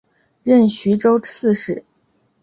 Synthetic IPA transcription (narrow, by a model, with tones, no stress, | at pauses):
ɻə˥˩nɕy˧˥ʈ͡ʂo˥ʊt͡sʰɹ̩˥˧ʂɻ̩˥˩